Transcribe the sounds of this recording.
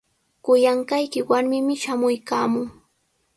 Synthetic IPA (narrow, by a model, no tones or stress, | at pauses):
kʊjaɴkajkɪwaɾmɪmɪʃamʊjkaːmʊŋ